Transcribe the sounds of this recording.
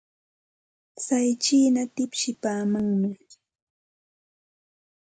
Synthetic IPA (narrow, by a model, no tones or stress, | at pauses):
sajt͡ʃiːnat̪ɪpʃɪpaːmaŋmɪ